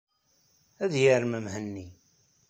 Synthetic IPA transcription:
æðjəɾməmɦənːi

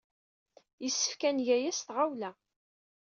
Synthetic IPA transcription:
jəsːə̥fkænʝæjæsθʁawlæ

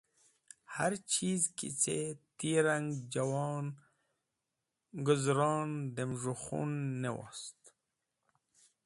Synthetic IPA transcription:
haɾt͡ʃʰiːzkḭt͡set̪iɾaŋɡd͡ʑawɑːn | ɡʊzɾɑːnd̪emʐuxṵnːewɑ̰st̪

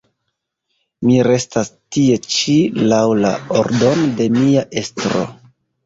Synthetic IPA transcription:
miɾe̞stastie̞t͡ʃilawla̰oɾdo̞node̞miaʔe̞stɾo̞̰

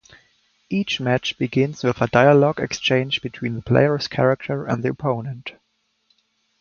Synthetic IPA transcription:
ʔit͡ʃmæt͡ʃb̥ɨɡɪ̃nzwɪðədaɪəlɔɡɛ̰kst͡ʃẽɪ̃nd͡ʒbɨtʰw̥ĩːnðəpʰl̥ḛɪə˞skʰɛɹak̚tʰə˞ɨ̰̃nd̪ðiəpʰõʊ̃nə̃nt

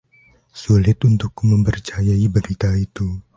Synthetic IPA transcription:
sulɪt̪unt̪ʊkːuməmpərt͡ʃajaibəɾit̪ait̪u

